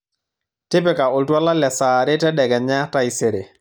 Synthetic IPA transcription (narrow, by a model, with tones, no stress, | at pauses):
tɪ˦pɛ˦ka˨ʊ˨ltwa˦la˦lɛ˨saː˨ɾɪ˦tɛ˦dɛ˨ɡɛ˨nɲa˦ta˦ise˨ɾe˨